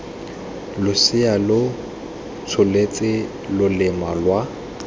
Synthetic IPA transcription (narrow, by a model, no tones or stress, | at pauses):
lʊsɪalʊ | t͡sʰʊlet͡sʼɪ | lʊlɪmalwa